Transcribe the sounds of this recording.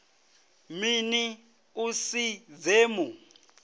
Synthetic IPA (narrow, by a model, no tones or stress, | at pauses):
mini | usid͡zeːmu